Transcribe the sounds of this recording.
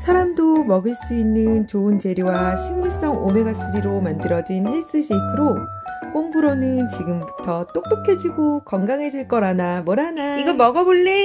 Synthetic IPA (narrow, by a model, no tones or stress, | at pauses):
sʰaɾamdomʌɡɯɭs͈uinːɯnt͡ɕoɯnt͡ɕe̞ɾjowaɕʰiŋmuɭs͈ʌŋome̞ɡas͈ɯɾiɾomandɯɾʌd͡ʑinʰeɭs͈ɯɕʰekʰɯɾo | k͈oŋbɯɾonɯnt͡ɕiɡɯmbutʰʌt͈ok̚t͈okʰed͡ʑiɡokʌŋɡaŋɦe̞d͡ʑiɭk͈ʌɾanamwʌɾanaiɡʌmʌɡʌboɭːi